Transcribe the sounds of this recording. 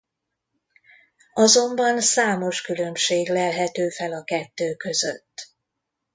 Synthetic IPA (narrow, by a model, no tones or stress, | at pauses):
ɒzo̞mbɒnsaːmo̞ʃkylø̞mʃeːɡlɛlɦɛt̪øːfɛlɒkɛt̪ːøːkø̞zø̰t̪ː